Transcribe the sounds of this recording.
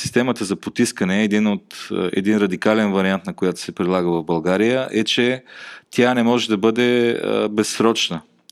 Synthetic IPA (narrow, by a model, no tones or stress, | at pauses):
si̥st̪ɛmət̪əzɐpot̪iskənɛːd̪inot̪ɛ̰d̪inɾɐd̪ikalɛnvɐɾiant̪nɐkojat̪ʊ̥sɛpɾilˠaɡəvɐvbɐlˠɡaɾijəʔɛt͡ʃɛt̪ʲjanɛmɔʒɛd̪ɐbɤd̪ɛbɛsːɾɔt͡ʃnə